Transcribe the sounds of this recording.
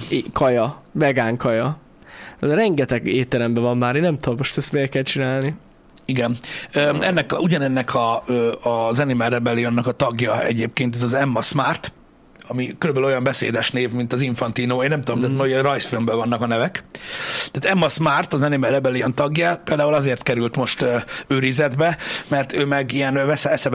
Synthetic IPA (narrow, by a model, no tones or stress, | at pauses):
kɒjɒbɛɡaːŋkɒjɒ | ɛzɛɾɛŋɡɛt̪ɛɡeːt̪ːɛlɛmbɛvɒmːaːɾeːnːɛmt̪ud̪omo̞ʃt̪ɛst̪meːrkɛlt͡ʃinaːlni | iɡɛnøɛnːɛkuɟɒnɛnːɛkʰɒøːzɛnimɛɾɛbɛlijonːɒkɒt̪ɒɡjɒɛ̰ɟeːp̚keːnt̪̬ɛzɒzɛmːɒsmaːrt̪ | ɒmikøɾøbɛløːojɒmbɛsḛːd̪ɛʃneːvmint̪ɒziɱfɒnt̪iːnoːeːnːɛmt̪ud̪omt̪aːt̪nojrɒjsfilmbɛvɒnːɒkɒnɛvɛkt̪ɛːt̪ɛmːɒsmaːrt̪ɒzɛnimɛrɛbɛliont̪ɒɡjɒpeːld̪aːɦulɒzeːrt̪kɛɾylt̪mo̞ʃt̪øøːɾizɛd̪bɛmɛrt̪ʰøːmɛɡijɛnvɛsɛɛsɛ